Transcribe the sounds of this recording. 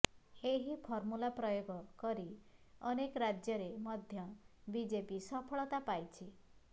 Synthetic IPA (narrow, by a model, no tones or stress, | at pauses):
eɦipʰɔɾmulapɾɔjoɡɔkɔɾiɔnekɔɾad͡ʒjɔɾemɔd̪ʱjɔbid͡ʒepisɔpʰɔɭɔt̪apajt͡ʃʰi